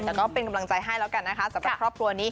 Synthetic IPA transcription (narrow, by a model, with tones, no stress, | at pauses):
t̪ɛː˨˩kɔː˥˩pe˧nka˧mla˧ŋt͡ɕa˧jɦa˥˩jlɛː˦˥wka˧nːa˦˥kʰa˦˥sa˨˦mɾaa˧pʰkɾɔː˥˩p̚kʰɾu˧ɐniː˦˥